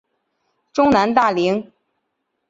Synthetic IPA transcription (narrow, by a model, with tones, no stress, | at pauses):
ʈ͡ʂʊ˥ŋna˧˥nt̪̬a˥˩li˧˥ŋ